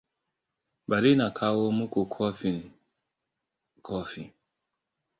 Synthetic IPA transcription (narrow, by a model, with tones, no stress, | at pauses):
ba˨ɾi˦na˨kʰa˦wɔ˦mu˦ko˨kʰɔ˦fi˨n˨ | kʰɔ˦fi˨